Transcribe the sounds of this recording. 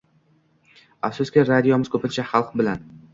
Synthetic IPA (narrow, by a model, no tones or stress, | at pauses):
afsʊskʲɪɾad̪ijɒmɪz̥kʰɵpɪnt͡ʃʰaχɑlˠqbɪlan